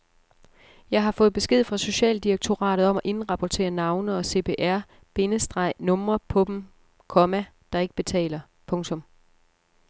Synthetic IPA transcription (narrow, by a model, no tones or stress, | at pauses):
jɑ̈ɪɦɑ̈fɔ̽ːð̩ˠb̥e̝sɡ̥e̝ð̞̰ˠfʁɑ̈so̝ɕɛ̰ːld̥iɑɡ̥̚t͡sʰo̝ʁɑ̰̈ːɾ̥ð̩ˠɒ̽mɒʔe̝nʁɑ̈pʰɒt͡sʰe̝̰ːɐnɑ̈ʊnəɒ̽se̝̰ːpʰe̝ːʔæɐ̰ | b̥e̝nəsd̥ʁɑ̈ɪ̰nɔ̽mɐpʰɒ̽b̥m̩ | kʰɒ̽mæd̥ɑ̈e̝ɡ̥əb̥e̝t͡sʰɛ̰ːlɐ | pʰɔ̽ŋt͡sʰɔ̽m